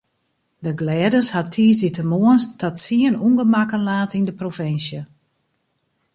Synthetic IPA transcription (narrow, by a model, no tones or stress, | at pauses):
dəɡlɛːdəshatʰiːsitəmoənstʰɔtsiənuŋɡəmakənlaːtindəprofɪnsjə